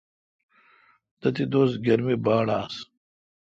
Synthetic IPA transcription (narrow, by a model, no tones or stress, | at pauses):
t̪ɐt̪id̪oːst̪ɡɐɾmibaːɽaːs